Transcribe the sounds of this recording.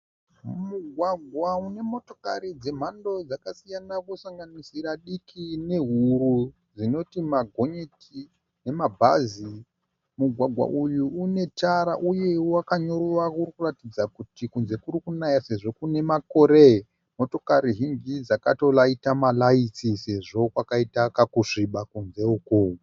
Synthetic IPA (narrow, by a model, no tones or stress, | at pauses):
muɡʱwaɡʱwaune̞mo̞to̞ka̰ɾid͡ze̞m̤ando̞d͡zakasijanakosaŋɡanisiɾaɗikʰine̞ɦuɾu | d͡zino̞timaɡʱo̞ɲetʰi | ne̞mabʱa̰zi | muɡʱwaɡʱwa̰ʔujuːne̞taɾaʔuje̞wakaɲo̞ruwakurikuratid͡zakutikunze̞kuɾikunajase̞ʐo̞kune̞mako̞ɾe | mo̞to̞kaɾiɦiŋɡid͡zakato̞laitamalait͡sise̞ʐo̞kwakaitakakuʂiɓakunze̞uko